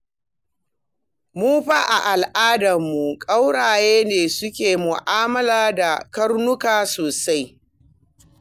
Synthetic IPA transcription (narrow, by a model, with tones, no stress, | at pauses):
mu˦ɸa˦ʔa˨ʔa˨lʔaː˦dɐ˨mːu˨kʼa˦wɽaː˨jeː˦neː˨sʊ˦kʲeː˨mʊ˨ʔaː˦mɐ˦laː˦da˨kɐ˦rnʊ˦kaː˨soː˨sa˦j